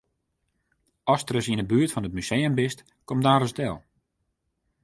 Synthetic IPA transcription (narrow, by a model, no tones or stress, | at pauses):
ɔstrəsinəbyətfɔnətmysejəmbɪst | kɔmdaːɾəsdɛlˠ